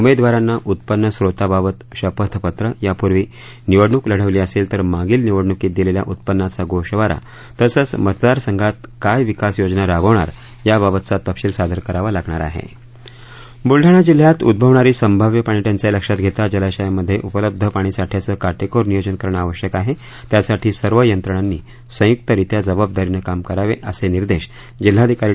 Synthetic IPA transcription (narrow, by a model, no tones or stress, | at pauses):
umed̪ʋaɾanːaʔut̪̚pənːəsɾot̪ababət̪ɕəpət̪ʰpət̪ɾəjapuɾʋiː | niʋəɽɳukləɽ̤əʋliːəselt̪əɾmaɡiːlniʋəɽɳukiːt̪̚d̪ilelja̰ʔut̪̚pənːat͡saɡoʂʈʋaɾa̰ | t̪əsət͡smət̪d̪aɾsəŋɡʱat̪̚kajʋikasjod͡ʑnaɾaɡəʋɳa̰ɾ | jababət̪t͡sat̪əpɕiːlsad̪ʱəɾkəɾaʋalaɡɳaɾa̰ɦḛ | bulɖʱaɽ̃ad͡ʑil̤jat̪ṵd̪̚bʱəʋɳaɾiːsəmbʱaʋjəpaɳ̃iʈ̪jant͡seləkʂat̪ɡʱet̪ad͡ʑəlaɕajaməd̪ʱːjeʔupələb̚d̪ʱəpaɽ̃isaʈʰijat͡səkaʈekoɾnijod͡ʑənkəɾɳəaʋəɕjəkaɦe | t̪jasaʈʰiːsəɾʋəjənt̪ɾəɳanːiː | sə̃juk̚t̪əɾit̪jad͡zəbab̚d̪aɾinəkamkəɾaʋeʔəseniɾd̪eɕ | d͡ʑil̤ːad̪ʱikaɾi